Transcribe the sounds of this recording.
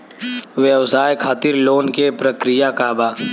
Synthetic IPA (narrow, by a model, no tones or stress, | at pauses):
ʋjəʋsaːjkʰaːt̪ɪɾloːnkepɾəkɾɪjakaːbaː